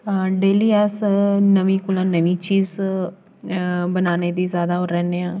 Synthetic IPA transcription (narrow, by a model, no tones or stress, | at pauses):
ɖeːliːɛːsnəʋĩːkʊlãːnəʋĩːt͡ʃiːz | bənaːneːd̪iːzjaːd̪aːɦoɾɛ̃ːneːãː